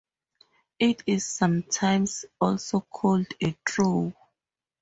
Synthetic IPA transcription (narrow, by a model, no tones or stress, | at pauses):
itiz̥ːʌ̃mtʰãɪ̃msɔlsokʰɔldetʰɹu